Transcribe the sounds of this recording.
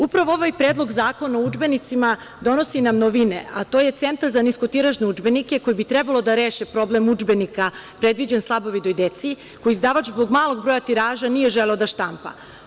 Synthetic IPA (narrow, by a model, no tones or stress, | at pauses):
upɾaʋooʋajpɾeːd̪lˠo̞ɡzaːko̞naud͡ʒbe̞nit̪sima | d̪o̞no̞sinamnoʋine̞at̪o̞je̞t̪se̞nt̪aɾzanisko̞t̪iɾaʒneud͡ʒbe̞nike̞ko̞jibit̪ɾɛbalˠo̞d̪aɾeːʃepɾo̞blemud͡ʒbe̞nikapɾe̞d̪ʋid͡ʑenslˠabo̞ʋid̪ojd̪et̪si | ko̞jizd̪aʋat͡ʃzbo̞ɡmaːlˠo̞ɡ̚bɾoːjat̪iɾaːʒanije̞ʒeleod̪aʃt̪ampa̰